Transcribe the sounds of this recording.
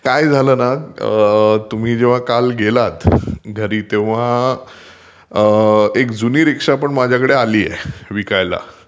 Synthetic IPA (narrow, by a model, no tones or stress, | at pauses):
kajd͡zʱaləːna | t̪um̤iːd͡ʑeʋ̤akalɡelat̪ɡʱəɾiːt̪eʋ̤a | ekd͡zuniːɾikʂapəɳmad͡ʑʱjakəɽealiːjɛ̰ʋikajla̰